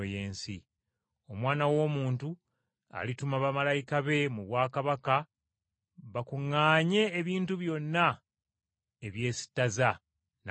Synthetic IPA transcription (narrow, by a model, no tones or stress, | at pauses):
oje̞ːnsi | o̞mwaːnawo̞ːmuːntu | a̰litumaβamalajikaβe̞muβwaːkaβaka | βakuŋːaːɲe̞ːβiːntuβjo̞nːa | eβje̞ːsi̥taza | n